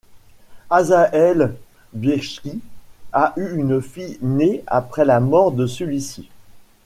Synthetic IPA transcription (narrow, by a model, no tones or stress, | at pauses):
azaʔɛl | bjɛʃkʲiaʔyynfinea̰pχɛlamɔʁd̪əsəlɥisi